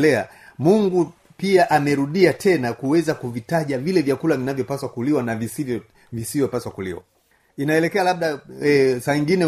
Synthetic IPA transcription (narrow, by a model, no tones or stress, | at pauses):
lɛa̰ | muŋɡu | piaʔamɛɾuɗiatʰɛnakuwɛzakuvitaʄavilɛvjakulavinavjɔpaswakuliwanavisivɔ | visivjɔpaswakulḭwa̰ | inaɛlɛkɛalaɓ̚ɗaɛsaːiŋɡinɛ